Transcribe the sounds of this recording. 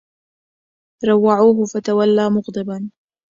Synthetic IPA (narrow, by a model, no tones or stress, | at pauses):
ɾˤɑwːaʕuːɦʊfat̪awalːaːmʊɣd̪ˤɨban